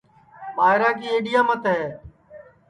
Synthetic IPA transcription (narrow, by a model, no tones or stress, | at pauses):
ɓaːɦɪɾaːkiːeːɗɪjãːmət̪ɦeː